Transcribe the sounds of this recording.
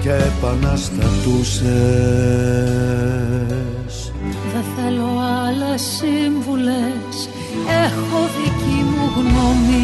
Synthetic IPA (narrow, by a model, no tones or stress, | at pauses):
ceepɐnɐst̪ɐt̪use | s | ðeθe̞loaɐlesːiɱvules | exo̞ðicimuɣnomi